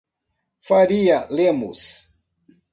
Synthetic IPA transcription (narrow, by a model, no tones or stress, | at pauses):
faɾialɛmṵs